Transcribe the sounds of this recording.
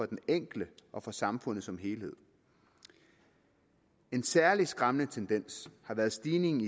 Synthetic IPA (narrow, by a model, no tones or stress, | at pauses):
ɒ̽d̥eneŋ̰ɡ̥ləʔɒ̽fɒ̽sɑ̈mfɔ̽n̰ð̩ˠsɒ̽mɦe̝ːlhe̝ð̰ˠ | e̝nsæɐlisɡ̥ʁɑ̈mnət͡sʰend̥en̰shɑ̈ʋæːɐðˠsd̥iːne̝ŋn̩i